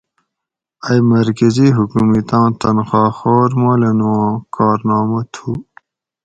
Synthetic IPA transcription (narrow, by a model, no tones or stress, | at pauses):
ajmɐɾkəziɦukumit̪ɑ̃ːt̪ɐnxɑːxoːɾmoːlenokɑːɾnɑːmat̪ʰu